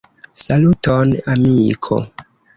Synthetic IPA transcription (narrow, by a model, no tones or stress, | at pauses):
salutɔnamikʰo̰